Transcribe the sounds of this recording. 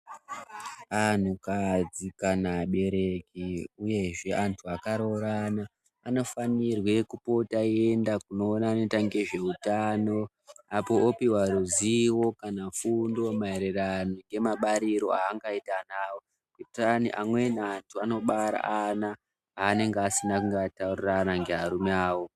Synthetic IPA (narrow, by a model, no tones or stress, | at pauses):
an̤ukad͡zikanaɓe̞ɾe̞kiuje̞ʐe̞ʔantʰuakaɾo̞ɾanaː | no̞fanirwe̞kupo̞taie̞ndakuno̞ːnane̞taŋɡe̞ʐe̞utaːno̞ | apo̞opiwaɾuziwo̞kanafundo̞maeɾeranoŋɡe̞maɓaɾiɾo̞aːŋɡaitanaːwo̞ | kitaniʔa̰mwe̞naantʰuano̞ɓaɾa̰ana | aːne̞ŋɡeasinakuŋɡatauriranaŋɡe̞ɦaɾumeaːwo̞